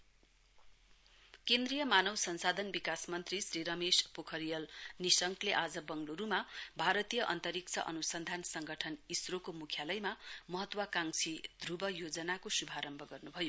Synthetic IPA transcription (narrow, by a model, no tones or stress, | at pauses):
kend̪rijʌmanʌwsʌnsad̪ʱʌnbikasmʌnt̪risriɾʌmespokʰʌɾijʌlnisʌŋkleʔad͡zʌbʌŋluɾumabʱaɾʌt̪ijʌʔʌnt̪ʌɾik̚t͡sʰʌʔʌnusʌnd̪ʱansʌŋɡʌʈʰʌnisrokomukʰjalʌjmamʌɦʌt̪ːwakaŋsʰid̪ʱrubʌjod͡zʌnakosubʱaɾʌmbʱʌɡʌrnubʱʌjo